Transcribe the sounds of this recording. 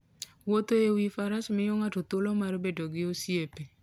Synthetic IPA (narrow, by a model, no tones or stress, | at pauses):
wot̪oewifaɾasmɪjoŋatot̪ʊlomaɾobedoɡɪosiepe